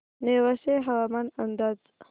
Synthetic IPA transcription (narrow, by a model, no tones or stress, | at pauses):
newaseɦawamanand̪az